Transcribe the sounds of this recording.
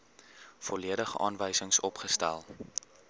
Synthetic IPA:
fɔliəɾəχɑ̰ːnvəjsəŋsɔpχəstæ̰lˠ

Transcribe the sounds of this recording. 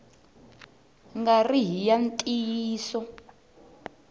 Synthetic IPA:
ŋɡariɦijantʼijiːsɔ

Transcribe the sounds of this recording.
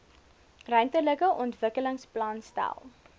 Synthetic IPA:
rœɥntərləkəʔɔntvəkələŋsplɐnstæ̰lˠ

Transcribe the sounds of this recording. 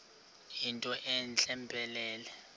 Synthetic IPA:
jintʼɔʔɛnt͡ɬʼɛmbʱʼɛlɛːlɛ

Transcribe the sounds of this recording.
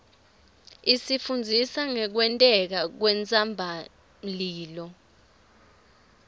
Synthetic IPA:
isifund͡zʱisaŋɛk̬wɛntʼɛk̬ak̬wɛnt͡sʼambʱa | liːlɔ

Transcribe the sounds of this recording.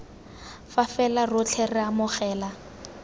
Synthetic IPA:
fafɛlarʊt͡ɬʰɛrɪamʊχɛːla

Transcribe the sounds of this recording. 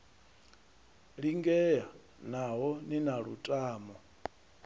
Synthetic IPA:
ɺiŋɡɛja | naɦɔninaɺṵtʼaːmɔ

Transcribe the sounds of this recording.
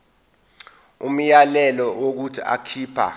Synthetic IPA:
um̩jalɛlɔʔok̬utʰia̰kʰiːpʰa̰

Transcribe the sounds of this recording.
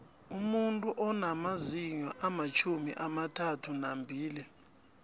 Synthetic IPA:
umuntʼuʔɔnamaziɲɔʔamat͡ʃʰumḭʔamatʰatʰunambʱiːli

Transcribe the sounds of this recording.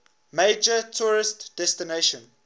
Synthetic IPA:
meɪd͡ʒətʰuɹɪstd̥ɛstineʃə̃n

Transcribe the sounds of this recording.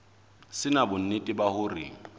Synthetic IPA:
sɪnabʊn̩nɪtʼɪbahʊrḭːŋ̩

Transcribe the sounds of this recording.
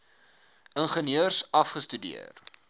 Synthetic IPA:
ʔənχəniəərsɐfχəstydḭə̰r

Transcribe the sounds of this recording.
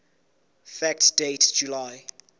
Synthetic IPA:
fæk̚td̥etd͡ʒulaɪ

